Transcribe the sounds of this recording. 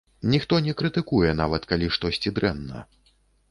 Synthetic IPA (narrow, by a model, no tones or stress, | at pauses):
nʲixt̪ɔnʲɛkɾɨt̪ɨkujɛn̪avɐt̪kalʲiʂt̪ɔsʲt͡sʲid̪ɾɛnːɐ̰